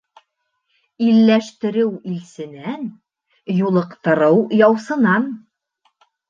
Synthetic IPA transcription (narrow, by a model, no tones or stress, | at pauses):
ilːæʃt̪ɘ̆ɾɘwilsɘ̆næn | julˠɤ̆qt̪ɤ̆ɾɤwjɒwsɤ̆nɑn